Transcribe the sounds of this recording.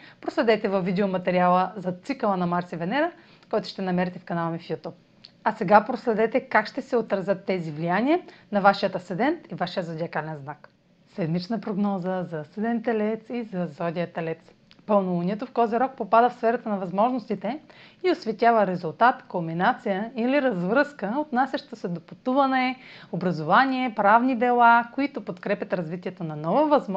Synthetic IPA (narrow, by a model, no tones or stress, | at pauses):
pɾoslɛd̪ɛt̪ɛvɐvːid̪ɛomɐt̪ɛɾialˠəzɐt̪sikəlˠənɐmaɾsivɛnɛɾə | kɔjt̪ʊ̥ʃt̪ɛnɐmɛɾɛt̪ɛfkɐnalˠmifjut̪up̚ | ɐsɛɡapɾoslɛd̪ɛt̪ɛkakʃt̪ɛsɛot̪ɾɐzʲɤt̪ːɛzivlijaniənɐvaʃijət̪ɐsɛd̪ɛnt̪ivaʃijəzod̪ʲiɐkalɛnznak | sɛd̪mit͡ʃnɐpɾoɡnɔzəzɐsɛd̪ɛnt̪ɛlɛt̪sizɐzɔd̪ʲijət̪ɛlɛt̪s | pɐlˠnuvɐnʲiɛt̪oft̪ɔziɾɔk̚popad̪əfsfɛɾɐt̪ənɐvɐzmɔʒnost̪it̪ɛiosvɛt̪ʲavəɾɛzʊlˠt̪at̪kobinat̪sijəiliɾɐzvɾɤskəot̪nasʲɐʃt̪t̪osɛd̪opʊt̪uvɐnɛobɾɐzovanʲiɛpɾavnid̪ɛlˠakoit̪opot̪kɾɛpʲɐt̪ɾɐzvit̪ʲiɛt̪onɐnɔvovɐzm